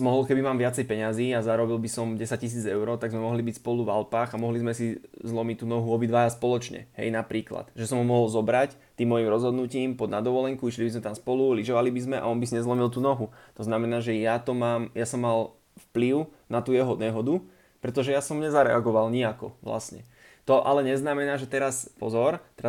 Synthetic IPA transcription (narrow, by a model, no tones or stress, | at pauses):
mɔɦɔlkɛbimaːmʋɪat͡sɛjpɛɲaziːazaɾɔbilbisɔmɟɛsac̚t͡ɕis̬iːd͡zɛʊɾɔːt̪aɡzmɛmɔɦlibicspɔluva̰lpaːɣamɔɦlizmɛsizlɔmict̪uːnɔɦuɔbid̪ʋajaspɔlɔt͡ʃɲɛ̰ɦɛ̰jnapɾiːkla̰d̪̥ʒɛsɔmɦɔmɔɦɔlˠzɔbɾac | t̪iːmːɔjimɾɔzɦɔd̪nuciːmpɔd̪nad̪ɔʋɔlɛŋkuiʃlibizmɛt̪amspɔluliʒɔʋalibizmɛʔa̰ɔnbisiɲɛzlɔmilˠt̪̬uːnɔɦut̪ɔznamɛnaːʒɛjat̪ɔmaːmjasɔmːal | fpliʊ | nat̪uːjɛɦɔɲɛɦɔd̪u | pɾɛt̪ɔʒɛjasɔmɲɛzaɾɛ̰aɡɔʋalɲiakɔʋla̰sɲɛ̰ | t̪ɔʔa̰lɛɲɛznamɛnaːʒɛt̪ɛɾaspɔzɔɾt̪ɛɾa